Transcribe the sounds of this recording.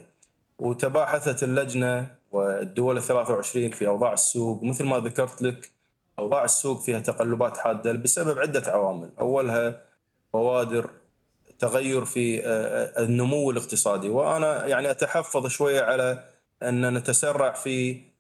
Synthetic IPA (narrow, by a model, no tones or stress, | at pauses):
wt̪abaːħaθalːad͡ʒnawɪd̪ːʊwalɪθːalaːθawʕɪʃɾiːnfiʔɑwðˤɑːʕəsːuːɡməθlmaðakɑɾˤt̪lak | ʔɑwðˤɑːʕəsːuːɡfiːhat̪aqalːʊbaːt̪ħaːd̪ːabɪsababʕɪd̪ːaʕawaːmɪlʔa̰wːalɦa | fɑwaːd̪ɪɾ | t̪aɣajːʊɾfi | nːʊmʊwːɪləqt̪ɨsˤɑːd̪iwʔa̰najaʕniʔat̪aħɑfːɑðˤʃwajːaʕala | ʔɪnːanat̪asarˤːɑʕfi